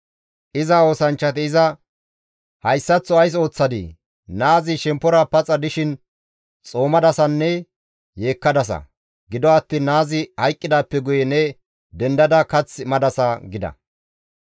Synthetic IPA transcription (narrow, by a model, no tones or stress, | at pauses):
ʔɪzɐo̞ːsɐnt͡ʃːɐt̪̬ɪːzɐ | hɐjsːɐt͡sːɔɐjs̬o̞ːt͡sːɐd̪ɪ̰ | naːzɪʃɛmpːɔɾɐpɐt͡sʼːɐd̪ɪʃɪn | t͡sʼo̞ːmɐd̪ɐsɐnːɛ | je̞ːkːɐd̪ɐs̬ɐ̰ | ɡɪd̪ɔɐt̪ːiːnːaːzɪhɐjkʼːɪd̪aːpːɛɡʊjɛnɛ | d̪ɛnd̪ɐd̪ɐkɐt͡smɐd̪ɐsɐɡɪd̪ɐ̰